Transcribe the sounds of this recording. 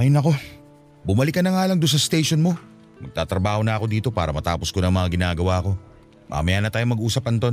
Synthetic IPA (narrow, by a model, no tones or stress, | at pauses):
mɐjnɐko̞ | bʊmɐlɪkːɐnɐŋaːlɐŋd̪ʊns̬ɐst̪ejʃonmo̞ | mɐɡ̚t̪aːt̪ɾɐbaːho̞nɐɐko̞d̪iːt̪o̞paːɾɐmɐt̪aːpo̞sko̞nɐŋmɐŋaɡɪnaːɡɐwaɐko̞ | mʔa̰mɐjanɐt̪aːjomɐɡʔuːsɐpɐnt̪o̞n